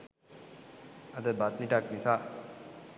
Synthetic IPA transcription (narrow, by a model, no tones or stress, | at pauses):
ad̪əbat̪niʈaknisaː